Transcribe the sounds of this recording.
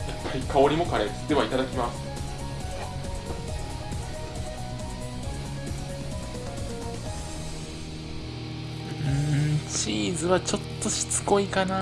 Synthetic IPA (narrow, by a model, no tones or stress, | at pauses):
japːaɾʲikʰao̞ɾʲimo̞kaɾed̪e̞βait̪ad̪akʲimasɨ̥ | ɯ̃t͡ɕiːzɨβat͡ɕo̞t̪ːo̞ɕi̥t͡sɨ̥ko̞ikana